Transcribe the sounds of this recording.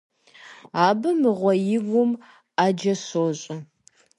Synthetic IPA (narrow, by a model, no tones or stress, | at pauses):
aːbɐmɨʁʷɔjɪvʊm | aːd͡ʒɐɕoːɕʼɐ